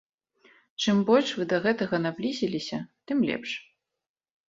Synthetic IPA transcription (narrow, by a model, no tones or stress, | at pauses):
t͡ʂɨmbɔlʲʂvɨd̪ɐɣɛt̪ɐɣɐnablʲizʲilʲisʲɐt̪ɨmlʲɛ̰pʂ